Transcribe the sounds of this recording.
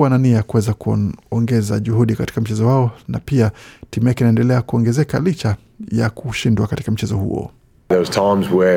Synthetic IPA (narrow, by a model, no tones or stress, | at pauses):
ananiajakuwɛzakuɔŋɡɛza̰ʄuhuɗikati̥kam̩t͡ʃɛzɔwaɔnapiatimujakɛinaɛndɛlɛakuɔŋɡɛzɛkalit͡ʃa | jakuʃindwakati̥kam̩t͡ʃɛzɔhṵɔ̰ | ðəwz̥tʰãɪmzwə